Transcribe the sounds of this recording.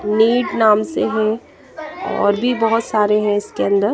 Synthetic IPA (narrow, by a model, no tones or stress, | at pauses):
niːɖnaːmseɦɛ̃ | ɔ̰ːɾbʱibɐɦʊt̪saːɾeɦɛ̃ɪskeɐ̃nd̪əɾ